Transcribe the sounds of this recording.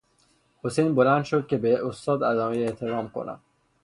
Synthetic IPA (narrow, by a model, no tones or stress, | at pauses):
hosejnbo̞lænd̪ʃod̪̚ce̞beʔost̪ɒːd̪æzɒːmejeʔt̪ʰe̞ɾɒːmkʰo̰nʔæ̰m